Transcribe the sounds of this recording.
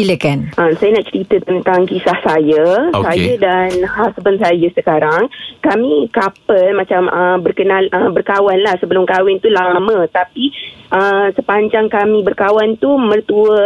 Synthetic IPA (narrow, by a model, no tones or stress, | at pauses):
iləkanʔəmsajanaʔt͡ʃəɾit̪ət̪ənt̪aŋkisahsajasajadanhasbənsajasəkaɾaŋkamĩkapəlmãt͡ʃaməmbərkənalʔəbərkawanlahsəbəlʊmkawɛnt̪ulamə̃t̪apiʔəmsəpaɲd͡ʒaŋkamĩbərkawant̪umərt̪uə